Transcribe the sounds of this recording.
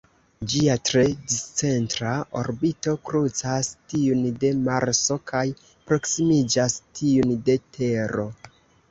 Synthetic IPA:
d͡ʒiatɾe̞dist͡se̞ntɾao̞ɾbito̞kɾut͡sastiunde̞maɾso̞kaj | pɾo̞ksimid͡ʒastiunde̞tʰe̞ɾo̞

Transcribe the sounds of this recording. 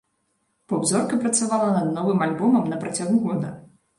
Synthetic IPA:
pɐwzɔrkɐpɾɐt̪savalˠɐnɐd̪̚nɔvɨmalʲbɔmɐmnɐpɾɐt͡sʲaɣuɣɔd̪ɐ

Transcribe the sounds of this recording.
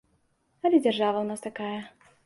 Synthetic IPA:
ɐlʲɛd͡zʲarʐavɐwnast̪akajɐ

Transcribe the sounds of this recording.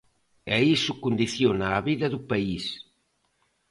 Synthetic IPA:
ɛisʊkond̪iθjonaːβiðɐðupais

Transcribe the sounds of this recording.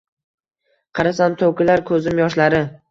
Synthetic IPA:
qʰɑɾasamt̪ʰowkʲɪlaɾkʰɵzɪmjɒʃlaɾɪ

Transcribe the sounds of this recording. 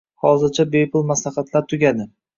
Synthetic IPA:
hɒzɪɾt͡ʃʰabejpʰʊlˠmaslaχat̪laɾt̪ʰʊɡʲad̪ɪ

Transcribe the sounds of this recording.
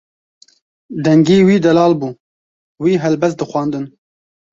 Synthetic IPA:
d̪ɛŋɡiːwiːd̪ɛlɑːlbuː | wiːɦɛlbɛst̪̚d̪ɨxʷwɑːnd̪ɨn

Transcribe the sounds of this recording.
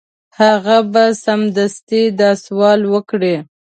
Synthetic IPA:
haɣabasamd̪ast̪id̪ɑswɑlwəkɽe

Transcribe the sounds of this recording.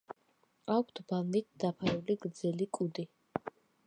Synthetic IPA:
akʷʰt̪ʰbalˠnit̪̚ʰd̪̥apʰaɾuliɡɾd̪zɛlikʼud̪i

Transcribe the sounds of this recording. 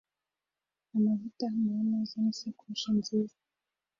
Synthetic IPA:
amavutananozonisekuuʃinziːza

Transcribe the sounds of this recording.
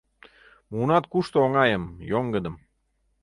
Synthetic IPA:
munɑt̪̚kuʃt̪oŋɑjəmjoŋɡə̆d̪əm

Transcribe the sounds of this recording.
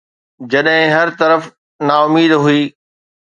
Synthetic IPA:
d͡ʑɐɗɦɪ̃ɦɐɾt̪ɐɾəf | naːʊmiːd̪ɦuiː

